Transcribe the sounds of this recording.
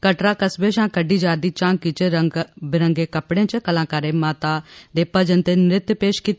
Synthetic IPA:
kəʈɾaːkəsbeːʃãːkəɖiːd͡ʒaːɾd̪iːt͡ʃãːŋkiːt͡ʃebɪɾəŋɡeːkəpɽẽːt͡ʃəkəlãːkaːɾeːmaːt̪aːd̪eːpəd͡ʒənt̪eːnɾɪt̪jpeːʃkiːt̪ː

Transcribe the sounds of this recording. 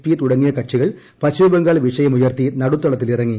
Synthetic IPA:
piːʈuɽɐŋːijɐkɐʈʂiɣɐɭ | pɐt͡ɕːubɐŋɡaːɭʋiʂɐjɐmujɐrt̪inɐɽut̪ːɐɭɐt̪ːilirɐŋːi

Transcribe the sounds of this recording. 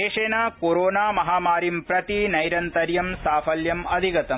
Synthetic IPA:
eːʂeːnaːkoːɾoːnaːmɐɦaːmaːɾimpɾɐt̪inɐjɾɐnt̪ɐɾjɐmsaːfɐljɐmɐd̪ʱiɡɐt̪ɐ

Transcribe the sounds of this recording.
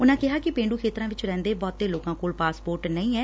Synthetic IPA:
ʊnãːkɪɦaːkɪpẽːɳɖuːkʰeːt̪ɾãːʋɪt͡ʃɾɛ̃ːnd̪eːbɔːt̪ːeːloːkãːkoːlpaːspoːɾʈnəĩːɛː

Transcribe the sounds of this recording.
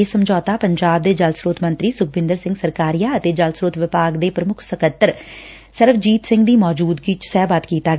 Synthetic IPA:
eːsəmd͡ʒɔːt̪aːpəɲd͡ʒaːb̚d̪eːd͡ʒəlsɾoːt̪ʰmə̃nt̪ɾiːsʊk̚ʰbɪ̃nd̪əɾsɪ̃ŋɡsəɾkaːɾijaːət̪eːd͡ʒəlsɾoːt̪ʋɪpaːɡd̪eːpɾəmʊkʰsəkət̪ːəɾ | səɾʋd͡ʒiːt̪sɪ̃ŋɡd̪iːmɔːd͡ʒuːd̪ɡit͡ʃsɛːbat̪kiːt̪aː

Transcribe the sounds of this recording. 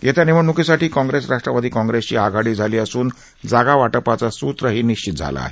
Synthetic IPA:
jet̪janiməɳnukisaʈiːkɔ̃ŋɡɾesɾaʂʈɾəʋad̪ʱiːkɔ̃ŋɡɾest͡ɕiːaɡʱaɽiːd͡zʱaliːəsuːn | d͡zaɡaʋaʈəpat͡sasut̪ɾəɦiːniɕt͡ɕit̪̚d͡zʱa̰la̰a̰ɦe

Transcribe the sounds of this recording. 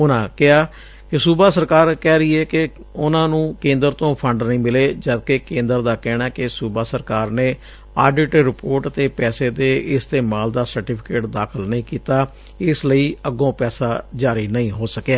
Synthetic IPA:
ʊnãːkɪaː | kɪsuːbaːsəɾkaːɾkɛːɾəiːɛːkɪ | ʊnãːnũːkẽːnd̪əɾt̪õːpʰəɳɖnəĩːmɪleːd͡ʒəd̪kekẽːnd̪əɾd̪aːkɛːɽ̃aːkɪsuːbaːsəɾkaːɾneː | aːɖɪʈɾɪpoːɾʈət̪eːpɛːseːd̪eːɪst̪eːmaːld̪aːsəɾʈiːpʰɪkeːʈd̪aːkʰəlnəĩːkiːt̪aː | ɪsləiːəɡõːpɛːsaːd͡ʒaːɾiːnəĩːɦoːsəkaː

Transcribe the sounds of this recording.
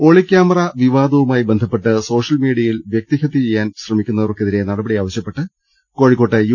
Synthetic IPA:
o̞ːɭikʲːaːmɐrɐʋiʋaːd̪ɐʋumaːjibend̪ʱɐpːe̞ʈːɨso̞ːʂɐlmiːɽiɐjilʋjek̚t̪iɣɐt̪ːit͡ɕejːaːnɕrɐmikʲːunːɐðɐrokːeðiɾe̞nɐɽɐbɐɽijaːʋɐɕjɐpːe̞ʈːɨ | ko̞ːɻikːo̞ːʈːɨj

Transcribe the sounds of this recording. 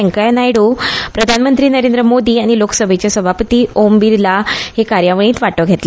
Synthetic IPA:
eŋkajnajɽuːpɾəd̪ʱanmənt̪ɾiːnəɾend̪ɾəmod̪iːaɽ̃ilokə̥səbʱet͡ɕasəbʱapət̪iːombiɾlahekaɾjaʋɭ̃ĩːt̪ʋaʈəɡʱet̪le

